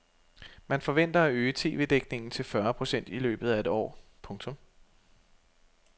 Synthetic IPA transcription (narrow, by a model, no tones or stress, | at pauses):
mænfɒ̽ʋen̰d̥ɐæøːət͡sʰe̝̰ːʋe̝̰ːd̥eɡ̥ne̝ŋn̩t͡sʰe̝lfɶɐpʰʁo̝sen̰d̥ilø̰ːb̥ð̞̩ˠæe̝d̥ɒ̰ːpʰɔ̽ŋt͡sʰɔ̽m